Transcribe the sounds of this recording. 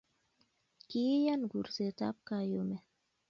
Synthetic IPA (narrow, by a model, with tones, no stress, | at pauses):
ki˦ja˦nɡu˨ɾseta̰p̚kajomɛ˨